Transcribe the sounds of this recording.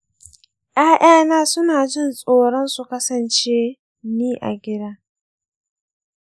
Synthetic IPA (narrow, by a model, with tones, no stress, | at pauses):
jʔaː˦ʔj̰aː˦naː˦sʊ˦naː˨d͡ʒɪ˦˨nsʼoː˨ɽɔ˦nsu˨kɐ˦sɐ˨nt͡ʃe˦ | niː˦ʔa̰˨ɡʲɪ˦daː˦